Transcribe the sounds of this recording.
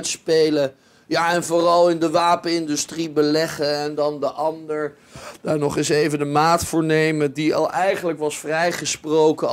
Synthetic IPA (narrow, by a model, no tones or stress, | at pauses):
tspejlə | jaːɛnvʊːrɑlˠɪndəʋaːpənɪndʏstribəlɛχəɛndɑndəʔɑndəɹ | d̥aːɹnɔχɪsejvəndəmaːtfʊːɹnejmədiɑ̰lˠʔɛjχənləkʋɑsfrɛjχəsprowkə